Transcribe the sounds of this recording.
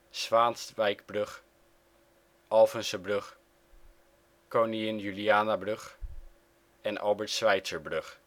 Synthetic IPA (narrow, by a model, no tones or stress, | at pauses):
sʋaːnsʋɛjkbrɵχ | ɑlˠfənsəbrɵχ | kowniɪnjyliaːnabrɵχ | ɛnʔɑ̰lˠbəɹtsʋɛjtsəɹbrɵχ